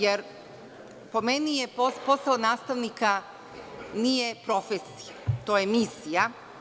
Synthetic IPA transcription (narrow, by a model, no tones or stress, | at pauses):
jeɾ | po̞menijepopo̞saonaːst̪aʋnika | nije̞pɾo̞fesi̥jat̪o̞ːjemisija